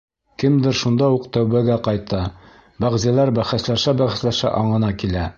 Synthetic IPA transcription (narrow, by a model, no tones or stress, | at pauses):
kɘmd̪ɘɾʃund̪ɑuqt̪æwβæɡæqɑjt̪ɑ | bæʁzælæɾbæχæslæʃæbæχæ̆slæʃæ̰ʔɑɴɤ̆nɑkilæ